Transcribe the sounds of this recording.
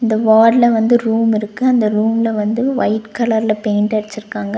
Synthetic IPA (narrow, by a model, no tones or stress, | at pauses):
ɪnd̪ɐʋaːɽlɐʋɐnd̪ɯɾuːmɪɾɯkːɯɐnd̪ɐɾuːmɪlɐʋɐnd̪ɯʋɐɪʈkɐlɐɾɪlɐpeːɳʈɐɽɐt͡ʃːɪɾɯkːaːŋɡɐ